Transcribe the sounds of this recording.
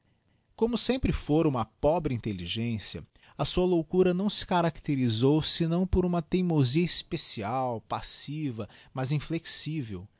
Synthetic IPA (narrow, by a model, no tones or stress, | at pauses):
kõmʊsẽmpɾɪfoɾũmɐpɔbɾɪĩnt̪eliʒẽsiɐ̰ | ɐsuɐlowkuɾɐnɐ̃w̃sɪ̥kaɾakt̪eɾizowsɪnɐ̃w̃poɾũmɐt̪ẽjmoziɐispesiawpasivɐmɐzĩfleksivew